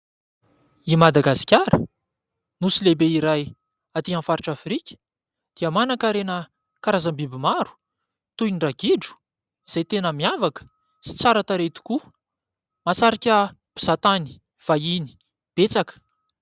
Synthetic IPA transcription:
imad̪aɡasi̥kʲaɾə̰ | nusilebeiɾaj | at̪iãnfaɾiʈ͡ʂafɾikʲə̥ | d̪̥iəmanakaɾenə | kaɾazambibimaɾu̥ | t̪ujniɖ͡ʐaɡiɖ͡ʐu̥ | iz̥ajt̪enəmiavakə̥ | si̥t͡saɾat̪aɾet̪i̥ku | masaɾikʲəb̥iz̥at̪ani̥ | v̥aini̥ | b̥et͡sakə̥

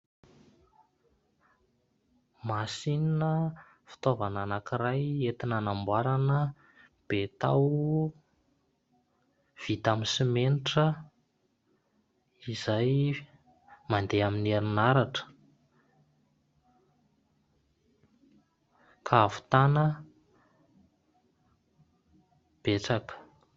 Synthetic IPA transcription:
masininə | fi̥t̪ovananakiɾajet̪inanambwaɾanə | b̥et̪a̰w | v̥it̪aminsimeniʈ͡ʂə | izaj | mand̪eamineɾinaɾaʈ͡ʂə̥ | kʰavu̥t̪anə | b̥et͡sakə̥

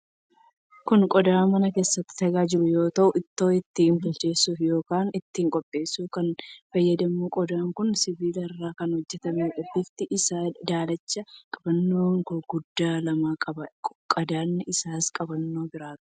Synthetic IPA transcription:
kʊnkʼɔd̪aːmɐnɐke̞ːsːɐt̪ːɪ̥t̪ɐɡaːd͡ʒɪɾʊjo̞ːt̪ɐʔʊɪt̪ːo̞ːɪt̪ːɪɪmbʊlt͡ʃe̞ːsːufjo̞ːkaːnɪt̪ːɪːŋkʼɔpʼːe̞ːsuːkɐnfɐjːɐd̪ɐmːuːkʼɔd̪aːŋkʊnsɪbiːlɪrːaːkɐnhɔd͡ʒːɛt̪ɐmeʔɔbːɪft̪ɪʔɪsaːd̪aːlɐt͡ʃːɐkʼɐbɐnːo̞ːŋɡʊd̪ːaːlɐmaːkʼɐbɐkʼkʼɐd̪aːnːɪɪsaːskʼɐbɐnːo̞ːbɪɾaːt̪ʊ̥

